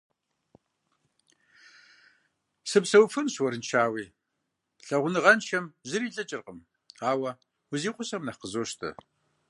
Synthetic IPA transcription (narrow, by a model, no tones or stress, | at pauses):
sɨpsɐwfɨnɕwɐɾɨnt͡ʃʰaːwiː | ɬɐʁʷʊnɨʁɐnʃɐmʑɨɾiːɬʼɐt͡ʃʼɪrqʼəm | aːwɐ | wʊziːqʷʼʊɕɐmnɐqəzoːʃtʰɐ̰